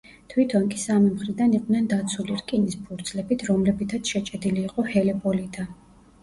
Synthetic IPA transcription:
t̪ʰwit̪ʰɔnkʼi̥samimχɾid̪aniqʼnɛnd̪at̪sʰuliɾkʼinispʰuɾd̪zlɛbit̪ʰɾɔmlɛbit̪ʰat̪sʃɛt͡ʃʼɛd̪iliːqʼɔhɛlɛpʼɔlid̪ʰa

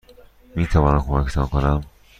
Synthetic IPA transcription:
miːt̪ʰævɒːnæmkʰomækt̪ʰɒːnkonæm

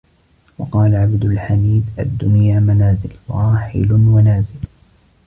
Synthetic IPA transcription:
wɑqɑːlaʕabd̪ʊlħamiːd̪ʔa̰d̪ːʊnjaːmanaːzɪlwɾˤɑːħɪ̰lʊnwanaːzɪl

